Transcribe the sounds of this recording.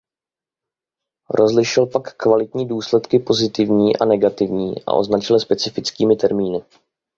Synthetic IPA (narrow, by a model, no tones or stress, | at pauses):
ɾo̞zlɪʃɪlpakːvalɪt̪ɲiːduːslɛt̪kɪpo̞zɪt̪ɪvɲiːʔa̰nɛɡat̪ɪvɲiːʔa̰ʔo̞̰znat͡ʃɪlspɛt͡sɪfɪt͡skiːmɪt̪ɛɾmiːnɪ